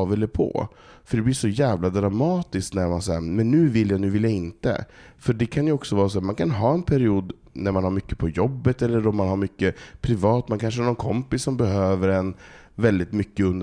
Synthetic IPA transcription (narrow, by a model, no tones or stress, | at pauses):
vɛlːəpʰɔ̰ | fœɖɛblɪʂɔjæːvlad̪ɾamɑːt̪ɪsknæɾmansɛmɛnːʉ̟ːvɪlːjanʉ̟ːvɪljaɪnt̪ə̰fœɖɛkʰanjɵɔksɔvɑːɾas̬ɔːɾmankʰanɦɑːɛnpʰæɾɪuːd̪ | næɾmanhaɾmʏkːə̥pʰɔjɔbːət̪ɛlːəɾɔmːanhaɾmʏkːəpʰɾɪvɑːt̪mɛnkʰanʂ̬əhaɾnɔnkʰɔmpɪsːɔmbɛɦøːvəɾɛnvɛld̪ɪt̪mʏkːəɵnd̪